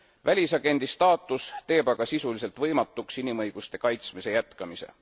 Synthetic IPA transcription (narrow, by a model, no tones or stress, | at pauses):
vælʲisɑɡ̥e̞nd̪̥ist̪ɑːt̪ːˑust̪e̞ːbɑɡ̥ɑsisulise̞lt̪ˑvɤ̞jmɑt̪ːˑuksinimɤjɡ̥ust̪e̞kɑjt̪smise̞jæt̪kɑmise̞̰